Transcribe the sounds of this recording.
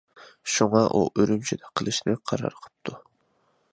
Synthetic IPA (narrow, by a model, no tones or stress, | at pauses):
ʃuŋɑʔṵʔøɾymt͡ʃʰid̪ɛqʰəlˠɨʃnɨqʰɑɾɑ̰ɾqʰə̥p̚t̪ʰu